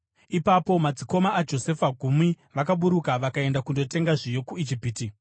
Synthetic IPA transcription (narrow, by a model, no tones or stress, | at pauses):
ipapo̞mad͡ziko̞maːd͡ʒo̞se̞faɡʱumwi | ʋakaɓuɾukaʋakae̞ndakundo̞te̞ŋɡaʐijokuid͡ʒipiːti